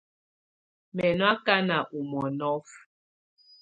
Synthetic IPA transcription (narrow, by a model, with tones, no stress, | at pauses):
mɛ˨nwa˦ka˦na˨ʔu˨mɔ˨nɔ˦f